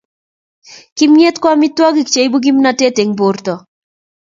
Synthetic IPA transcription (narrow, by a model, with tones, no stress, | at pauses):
kɪ˦mje˦t̪kwa˦mi˦t̪wɔ˦ɡi˦˨kt͡ʃe˨jbu˦ɡi˦m˦na˨te˦te˨ŋbo˨rt̪ɔ˨